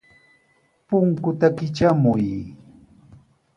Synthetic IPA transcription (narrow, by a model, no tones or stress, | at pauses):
pʊŋkʊt̪akɪt͡ʃamʊj